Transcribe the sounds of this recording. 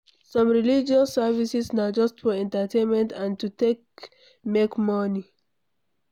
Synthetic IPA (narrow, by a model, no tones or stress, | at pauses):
sɔ̃mɹilid͡ʒɔsːɛvisisnaʊd͡ʒɔstfɔɛ̃ntətʰẽnmɛ̃ntãntutek̚ | mekmɔni